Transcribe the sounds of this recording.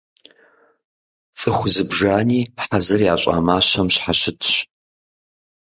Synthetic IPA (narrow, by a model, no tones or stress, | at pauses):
t͡sʼɨxʷzɨbʒaːniːħazɐrjaːɕʼa̰ːmaːɕɐmɕħaɕɪtʰɕ